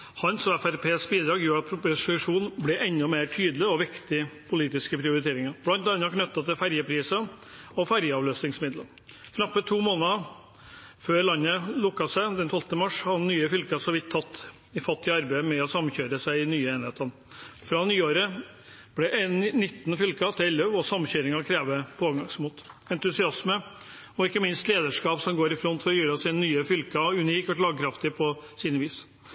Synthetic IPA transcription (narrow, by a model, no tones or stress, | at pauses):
hɑnsɔɛfæɾpʰeːsbiːd̪ɾɑːɡjuːɾɑt̪̚pʰɾʊpʊsɪʂuːnblɛʔɛnːɔmeːɾʈʰyːd̪lɪɔʋɪkt̪ɪpʰʊliːt̪ɪskəpʰɾɪʊɾɪt̪ʰeːɾɪŋɑb̥lɑnt̪ɑnːɑkʰnœt̪ːɑt̪ɪlfæɾjəpʰɾiːsə | ɔfæɾjəɑʋløːsnɪŋsmɪd̪lə | kʰnɑpːət̪ʰuːmoːnɑə | føːɾlɑnːəlʊkːɑsæɪd̪ɛnt̪ʰɔlt̪nəmɑʂhɑnnːyːəfʏlkɑsɔʋɪt̪ʰːɑt̪ː | ɪfɑt̪ːɪəɑɾbæɪmɛɔsɑmːçøːɾəsæɪɪnyːəeːnɪheːt̪ɑn | fɾɑnyːoːɾə | b̥ɽɛʔɛnnɪt̪ːnfʏlkɑt̪ʰɪlɛlːøʋɔsɑmːçøːɾɪŋɑkʰɾeːʋəpʰɔoːʋɡɑŋsmuːt̪ɛnt̪ʉsɪɑsmə | ɔɪkːəmɪnst̪leːd̪əʂkɑːpsɔmɡoːɾɪfɾɔnt̪fɔɾjyːɾɑsiːnənyːəfʏlkɑʉniːkɔʂ̬ɭɑːɡ̚kʰɾɑft̪ɪpʰɔsiːnəʋiːs